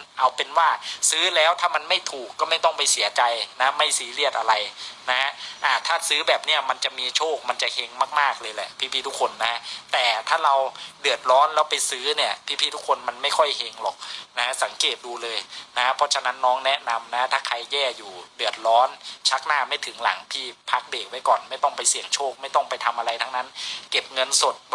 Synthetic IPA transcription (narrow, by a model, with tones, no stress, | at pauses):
ʔa˧wpe˧nwaː˥˩sɯː˦˥lɛː˦˥wt̪ʰaː˥˩ma˧nma˥˩jt̪ʰuː˨˩kːɔː˥˩ma˥˩jt̪ɔ˥˩ŋpa˧jsi˨˩˦ɐt͡ɕa˧jna˦˥ma˥˩jsiː˨˩˦li˥˩ət̪̚ʔa˧ɾa˧jna˦˥ha˦˥ʔa˧˩t̪ʰaː˥˩sɯː˦˥bɛː˨˩p̚ni˥ɐma˧nt͡ɕa˨˩ʔmiː˧t͡ɕʰoː˥˩k̚ma˧nt͡ɕa˨˩he˧ŋmaː˥˩k̚maː˥˩k̚lɤː˧jlɛ̰˨˩pʰiː˥pʰiː˥˩t̪u˦˥kʰo˧nːa˦˥t̪ɛː˨˩t̪ʰaː˥˩ɾa˧wdɯ˨˩ət̪̚ɾɔː˦˥nlɛː˦˥wpa˧jsɯː˦˥ni˥˩ɐpʰiː˥˩pʰiː˥˩u˦˥kʰːo˧nma˧nma˥˩jkʰɔ˥˩jhe˧ŋlɔː˨˩k̚na˦a˥sa˩˦ŋkeː˨˩t̪̚duː˧lɤː˧jna˦˥pʰɔ˧˥t͡ɕʰa˧na˦˥nːɔː˦˥ŋnɛ˦˥na˧mna˦˥t̪ʰaː˥˩kʰa˧jːɛː˥˩juː˨˩dɯ˨˩ət̪̚ɾɔː˦˥nt͡ɕʰa˦˥k̚naː˥˩ma˥˩jt̪ʰɯ˩˦ŋla̰˩˦ŋpʰiː˥˩pʰa˦˥k̚deː˨˩k̚wa˦˥jkɔː˨˩nma˥˩jt̪ɔ˥˩ŋpa˧jsi˨˩əŋt͡ɕʰoː˥˩k̚ma˥˩jt̪ɔ˥˩ŋpa˧jt̪ʰa˧mʔa˧ɾa˧jt̪ʰa˦˥ŋna˦˥nke˨˩p̚ŋɤ˧nso˨˩t̪̚